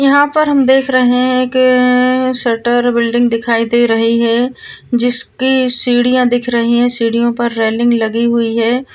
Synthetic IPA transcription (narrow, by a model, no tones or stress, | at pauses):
jɐɦãpɐɾɦɐmd̪eːkʰɾɐɦeɦɛ̃eːk | sɐɾʈəɾbɪlɖɪ̃ŋɡd̪ɪkʰaːid̪eːɾɐɦiɦɛd͡ʒɪskisiːɽijãd̪ɪkʰɾɐɦiɦɛ̃siːɽijõpɐɾːeːlɪ̃ŋɡlɐɡiɦʊiɦɛː